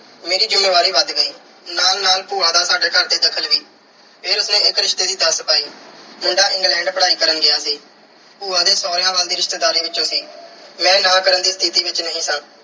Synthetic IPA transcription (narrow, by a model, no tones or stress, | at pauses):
meːɾiːd͡ʒɪmːeːʋaːɾiːʋəd̪ɡəiː | naːlnaːlpuːãːd̪aːsaːɖeːkʰəɾd̪eːd̪əkʰːəlʋiː | pʰeːɾʊsnẽːɪkɾɪʃt̪eːd̪iːd̪əspaːiːmɪɳɖaːɪ̃ŋɡlɛ̃ːɳɖpəɽaːiːkəɾənɡɪjaːsiː | puːãːd̪eːsɔːɾɪjãːʋaːld̪iːɾɪʃt̪eːd̪aːɾiːʋɪt͡ʃːõːsiːmɛ̃ːnãːkəɾənd̪iːst̪ʰiːt̪iːʋɪt͡ʃnəɦĩːsãː